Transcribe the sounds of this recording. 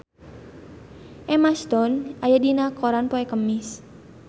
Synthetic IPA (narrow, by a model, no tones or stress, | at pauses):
ʔɛmast̪ɔnʔajadinakɔɾanpɔɛkəmɪs